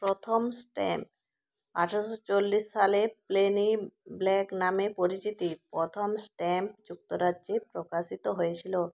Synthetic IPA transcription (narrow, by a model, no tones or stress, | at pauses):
pɾot̪ʰomsʈɛmp | a̰ʈʰaoʃot͡ɕolːiʃːalepleniblɛknamepoɾit͡ɕit̪ipɾot̪ʰomsʈɛmpd͡ʑuk̚t̪oɾadːd͡ʑepɾokaʃit̪oɦojet͡ɕʰilo